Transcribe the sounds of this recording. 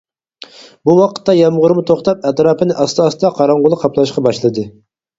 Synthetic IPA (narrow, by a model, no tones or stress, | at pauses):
buwɑqʰə̥t̪ːɑjɑmʁʊɾmʊt̪ʰoχt̪ɑp̚ɛt̪ɾɑːpʰɨnɪʔɑst̪ɑst̪ɑqʰɑɾɑɴʁʊlˠɨqʰɑplˠɑʃqɑbɑʃlˠɨd̪ɨ